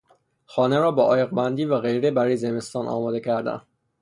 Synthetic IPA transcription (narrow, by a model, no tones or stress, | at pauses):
xɒːneɾɒːbɒʔɒːjeɣbænd̪iːvæɣe̞jɾebæɾɒːjezeme̞st̪ɒːnʔɒ̰ːmɒːd̪ecʰæɾd̪æ̰n